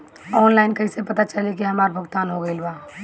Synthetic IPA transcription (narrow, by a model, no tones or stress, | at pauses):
ɔːnlaɪnkəɪsepət̪at͡ʃəlekiɦəmaːɾbʱəɡt̪aːnɦoɡəɪlba